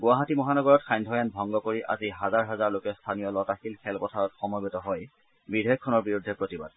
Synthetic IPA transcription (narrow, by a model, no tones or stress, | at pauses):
ɡwaɦatimɔɦanɔɡɔɹɔtxʰajndʱɔjanbʱɔŋɡɔkoɹiʔa̰ziɦazaɹɦazaɹlokɛstʰanijɔlɔtaxilkʰɛlpɔtʰaɹɔtxɔmɔbitɔɦɔj | bidʱɔjɔkʰːɔnɔɹbiɹudʱːɛpɹotiba̰d̚